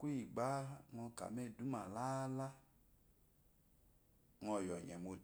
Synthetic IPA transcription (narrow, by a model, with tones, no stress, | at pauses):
ku˦i˨ɡ͡ba˦ŋɔ̃˧ka̰˨mɛ˦˨du˨˦ma˨la˦la˦ | ŋɔ˧˨jɔ˨ɲɛ̰˨mo˧